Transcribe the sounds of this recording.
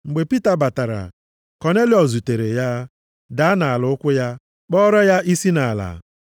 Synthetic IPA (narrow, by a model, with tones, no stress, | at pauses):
ŋ͡m̩˨ɡ͡be˨pi˦ta˨ba˨ta˨ɾa̰˨ | kɔ˨ne˦li˨ɔ˨zu˨te˨ɾe˨ja˦ | da˨˦na˨a˨lʊ˨ʊ˦kʷʊ˦ja˦ | k͡pɔ˦ɾɔ˦ja˦ʔi˦si˦na˨a˨la̰˨